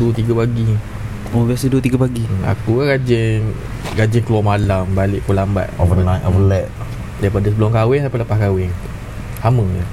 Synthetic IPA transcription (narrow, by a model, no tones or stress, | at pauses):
t̪iɡapaɡi | ubiasəduət̪iɡapaɡia̰kukaɡad͡ʒɛn | ɡad͡ʒɪŋkluamalambalɪʔpəlamba̰ʔ̚ovənãjtɔvəlɛʔ̚ | daipadasəbəlɔmkawɛŋsapaʔləpahkawɪŋ | haməɲə